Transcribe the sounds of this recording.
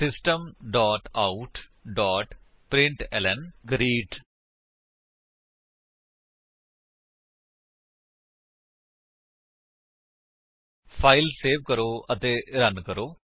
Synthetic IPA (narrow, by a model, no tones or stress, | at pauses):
sɪsʈəmɖɔːʈaːuʈɖɔːʈ | pɾɪ̃ɳʈɛːlɛnɡəɾiːʈ | pʰaːilseːʋkəɾoːət̪eːɾənkəɾoː